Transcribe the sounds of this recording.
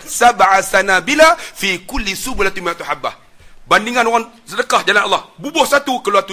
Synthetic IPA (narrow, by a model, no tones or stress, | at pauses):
sabʕasanabilafikulːisubulat̪umiat̪uħabːa | bandiŋanoɣaŋsədəkahd͡ʒalanʔɑlːɑhbubɔhsat̪ukəluat̪u